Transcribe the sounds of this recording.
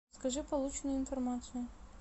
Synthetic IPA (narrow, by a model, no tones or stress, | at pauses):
skɐʐɨpɐlˠut͡ɕɪnʊjɪnfɐrmat̪sɨjʊ